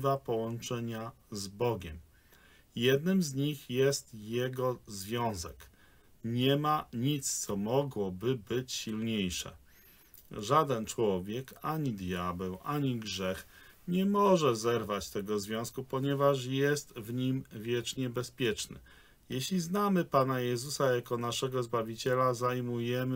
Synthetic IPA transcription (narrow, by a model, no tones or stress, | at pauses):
vapɔwɔ̃nt͡ʂɛɲa | zbɔɡʲɛm | jɛd̪nɘmzɲixjɛst̪jɛɡɔzvʲjɔ̃w̃zɛk | ɲɛmaɲit̪st̪sɔmɔɡwɔbɘbɘt͡ɕɕilɲejʂɛ̰ | ʐad̪ɛnt͡ʂwɔvʲjɛkaɲid̪jabɛwʔaɲiɡʐɛxɲɛmɔʐɛzɛɾvat͡ɕt̪ɛɡɔzvʲjɔ̃skupɔɲɛvaʂjɛst̪vɲimvʲjɛt͡ʂɲɛbɛspʲjɛt͡ʂnɘ̰ | jɛɕlʲiznamɘpanajɛzusajakɔnaʂɛɡɔzbavʲit͡ɕɛlazajmujɛmɘ